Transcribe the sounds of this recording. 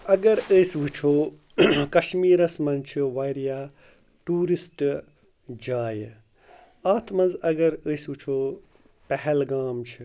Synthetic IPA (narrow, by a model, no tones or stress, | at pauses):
ɐɡɐɾəsʋɨt͡ʃʰoː | kɐʃmiːɾɐsmɐ̃nzt͡ʃʰiʋaːɾijaː | ʈuːɾisʈ | d͡ʒaːj | aːt̪ʰmɐnzɐɡɐɾəsʋɨt͡ʃʰoː | pɛɦɛlɡaːmt͡ʃʰi